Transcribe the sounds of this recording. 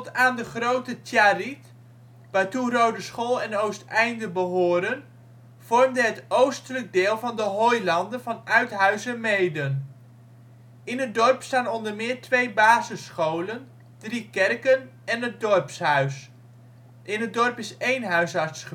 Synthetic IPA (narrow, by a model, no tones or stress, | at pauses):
ttaːndəχrowtətjaːrit | ʋaːɹturowdəsχoːlˠɛnowstɛjndəbəɦʊːɾən | v̥ɔrmdəɦətowstələɡ̚deɪːlˠvɑndəɦojlɑndənvɑnœɥtɦœɥzəmejdən | ɪnɦət̚dɔɹpstaːnɔndəɹmɪːɹtʋejbaːzəsχowlən | d̥rikɛrkənɛnɦədɔɹpsɦœɥs | ʔɪnədɔɹpɪsejnɦœɥsɑɹtsχə